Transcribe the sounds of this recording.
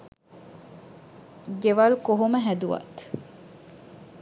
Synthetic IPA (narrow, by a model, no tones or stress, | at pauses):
ɡeʋɐlukoɦuməɦæd̪uʋɐ̰t̪